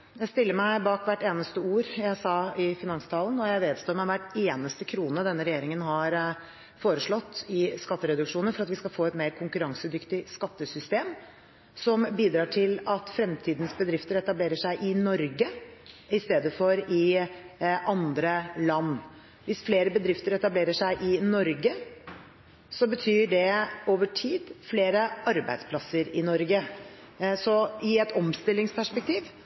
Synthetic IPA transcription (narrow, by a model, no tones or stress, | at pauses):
jæɪst̪ɪlːəɾmæɪbɑːkʋæʈːeːnəst̪əuːɾjæɪsɑɪfɪnɑŋst̪ʰɑːlənɔjæɪʋeːd̪st̪oːɾmɛʋæʈːeːnəst̪əkʰɾuːnəd̪ɛnːəɾɛjeːɾɪŋənɦɑɾ | foːɾəʂɭɔt̪ːɪskɑt̪ːəɾɛd̪ʉkʂuːnənfɔɾɑt̪ʋɪskɑlfoːɛt̪meːɾkʰʊŋkʉɾɑŋsəd̪ʏkt̪ɪskɑt̪ːəsʏst̪eːm | sɔmbiːd̪ɾɑːʈʰɪlɑt̪fɾɛmt̪ʰiːd̪n̩sbəd̪ɾɪft̪əɾɛt̪ɑbleːɾəʂæɪʔɪnɔɾɡəɪst̪eːd̪əfɔɾɪ | ʔɑnd̪ɾəlɑnː | ʋɪsfleːɾəbəd̪ɾɪft̪əɾɛt̪ɑbleːɾəʂæɪʔɪnɔɾɡə | sɔbət̪ʰyːɖɛoːʋəʈʰiːd̪fleːɾəɑɾbæ̰ɪd̪spʰlɑsəɾɪnɔɾɡə | sɔɪɛt̪ɔmst̪ɪlːɪŋspʰæʂpɛk̚t̪ʰiːʋ